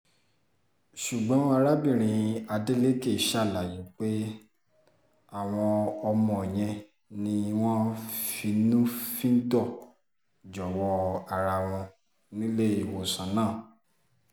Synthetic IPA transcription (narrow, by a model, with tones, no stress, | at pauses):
ʃu˨ɡ͡bɔ̃˨˦a˧ɾa˦bĩ˦˨ɾ̃ĩ˧a˧de˦le˦ke˦˨ʃa˦˨la˨ji˨˦k͡pe˦ | a˦˨w̃ɔ̃˧ɔ˧mɔ̃˧˨e˨j̃ɛ̃˧ | nĩ˧˦˧w̃ɔ̃˦fi˧˦nũ˦fĩ˦n̩˦dɔ˦˨ | d͡ʒɔ˨wɔ˧a˨ɾa˧w̃ɔ̃˧ | nĩ˦le˦i˨wo˨sã˨˦nãː˦˨